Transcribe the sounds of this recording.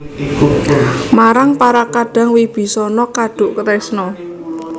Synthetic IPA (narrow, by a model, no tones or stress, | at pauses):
maɾaŋpaɾakaɖ̥ä̤ŋwib̥i̤sɔnɔkaɖ̥ʊ̤ʔkət̪ɛsnɔ